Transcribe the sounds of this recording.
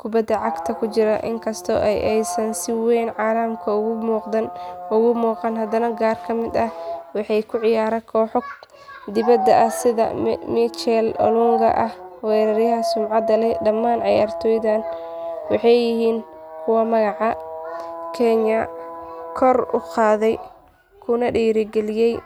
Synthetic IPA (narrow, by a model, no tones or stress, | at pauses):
kʰʊbɐd̪ːɐʕɑɡt̪ʰɐkʰʊt͡ʃɪɾɐʔɪ̰ŋkʰɐst̪ʰɔ̰ʔɛjʔɛjsɐnsɪwɛjnʕɑːlɐmkʰɐʊɣʊmuːqd̪ɐnʊɣʊmuːqɑnɦɐd̪ɐnɐɡaːrkʰɐmɪd̪ɐhwɑħɑjkʰʊʕɪjaːɾɛkʰɔːħɔ | d̪ɪβɐd̪ɐʔɐhsɪðɐ̰mit͡ʃɛlɔ̰lʊŋɡɐ̰ʔɐhwɛːɾɐɾjɐɦɐsʊmʕɑd̪ɐlɛɖɐmːaːnʕɑja̰ːrt̪ʰɔːjðaːnwɑħɑjɪɦiːnkʰʊwɐmɐɣɑʕɑ | kʰɛɲɐkʰɔrʊ̰qɑːðɛj | kʰʊnɐɖiːɾɪɡɛlɪjɛj